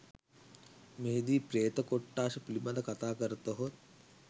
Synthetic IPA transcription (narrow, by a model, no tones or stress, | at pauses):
meɦed̪iːpɾeːt̪ɐkoʈːaːʃɐpulimad̪ɐkat̪aːkəɾɐt̪oɦot̪̚